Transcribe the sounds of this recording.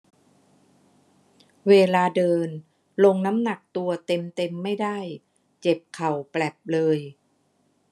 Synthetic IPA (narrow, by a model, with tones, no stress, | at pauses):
weː˧laː˧dɤː˧n | lo˧ŋna˦˥mna˨˩k̚t̪u˧ɐt̪e˧mt̪e˧mːa˥˩jda˥˩j | t͡ɕe˨˩p̚kʰa˨˩wplɛ˨˩p̚lɤː˧j